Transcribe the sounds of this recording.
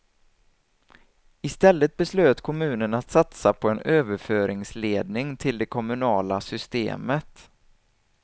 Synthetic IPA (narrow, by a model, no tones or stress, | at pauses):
ɪst̪ɛlːət̪̚bɛsløːt̪kʰɔmʉ̟ːnənat̪sat̪sapʰɔɛnøːvəɾføːɾɪŋsleːd̪nɪŋt̪ʰɪld̪ɛkʰɔmɵnɑːlasʏst̪ḛːmət̪